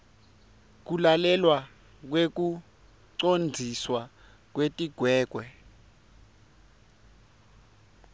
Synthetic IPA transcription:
k̬ulalɛlwa | k̬wek̬u | ǀond͡zʱiswa | k̬wetʼiɡ̥ʱwɛːk̬ʼwɛ

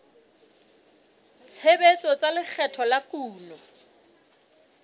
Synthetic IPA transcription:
t͡sʰebet͡sʼɔt͡salɪk͡xʰɛtʰɔlakʼuːlɔ

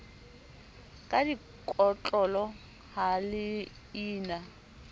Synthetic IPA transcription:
kʼadi | kʼɔt͡ɬʼɔlɔ | halɪ | iːna

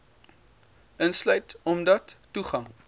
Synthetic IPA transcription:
ənslœɥtɔmdɐtːuχɐŋ

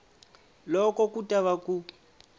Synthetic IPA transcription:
lɔkɔkutʼaβaku

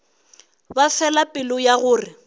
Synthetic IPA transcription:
bafɛlapʼɪlʊjaɣʊːrɪ

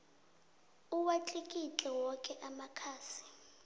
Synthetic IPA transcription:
uwat͡ɬʼikʼit͡ɬʼɛwɔkʼɛʔamakʰaːsi̥

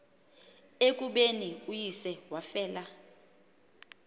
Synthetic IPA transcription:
ek̬ʼuɓeniujisɛwafɛːla

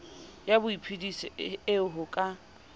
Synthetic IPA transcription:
jabʊipʰidisɪɪʊɦʊkʼa

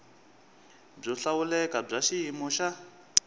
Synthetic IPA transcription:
b͡ʐɔɬawulɛkʼab͡ʐaʃiɦimɔʃa

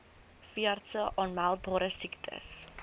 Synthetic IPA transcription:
fiərtəʔɔnmalˠt̚bɔɾəsɪktʰə̰s

